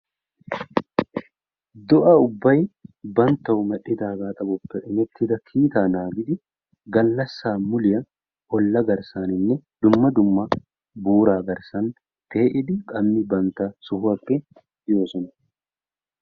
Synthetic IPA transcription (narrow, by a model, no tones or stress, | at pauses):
d̪ɔʔɐʊbːɐjbɐnt̪ːɐʊmɐᶑɪd̪aːɡaːt̪ʼɐbɔpːɛʔɪnɛt̪ːɪd̪ɐkʰiːt̪aːnaːɡɪd̪ɪ | ɡɐlːɐsːaːmʊlɪjɐ | ɔlːɐɡɐɾsaːnɪnːɛd̪ʊmːɐd̪ʊmːɐ | buːɾaːɡɐɾsɐn | t̪eːʔɪd̪ɪkʼɐmnɪbɐnt̪asʊhʊɐkʼːɛ | joːsɔnɐ